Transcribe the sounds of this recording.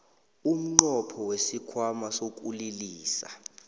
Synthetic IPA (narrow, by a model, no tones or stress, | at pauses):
um̩ŋ͡ǃɔpʰɔwesikʰwamasok̬ʼuliliːsa̰